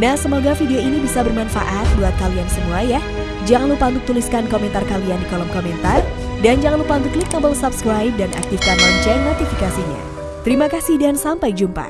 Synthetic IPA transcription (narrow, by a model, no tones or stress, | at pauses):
nahsəmoɡafideoinibisabərmanfa̰ʔat̪̚duat̪̚kaliansəmuajah | d͡ʒaŋanlupand̪uk̚t̪uliskankomɛnt̪arkaliandikolɔmkomɛnt̪ar | dand͡ʒaŋanlupand̪uklukːabəlsapskɾajp̚danʔa̰k̚t̪ifkanlaɲt͡ʃajnot̪ifikasiɲa̰ | t̪əɾimakahsihdansampajd͡ʒumpa̰